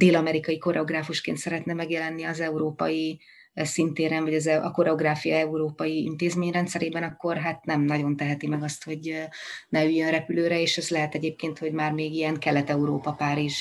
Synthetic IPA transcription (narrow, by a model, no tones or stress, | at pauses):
d̪eːlɒmɛɾikɒjiko̞ɾʔɛo̞ɡraːfuʃkḛːnt̪sɛɾɛt̪nɛmɛɡjɛlɛnːiɒzɛuɾoːpɒ̰ji | sint̪eːɾɛnvɒɟɒzɛɒko̞ɾɛo̞ɡraːfijɒɛuɾoːpɒjiḭnt̪eːzmeːɲrɛnt̪sɛɾeːbɛnɒkːo̞rɦaːt̪nɛmnɒɟo̞nt̪ɛɦɛt̪imɛɡɒst̪ho̞ɟnɛyjːønrɛpyløːɾɛeːʃɛzlɛɦɛt̪ɛɟeːp̚keːnt̪ho̞ɟmaːrmeːɡijɛŋkɛlɛt̪ɛuɾoːpɒpaːɾiʒ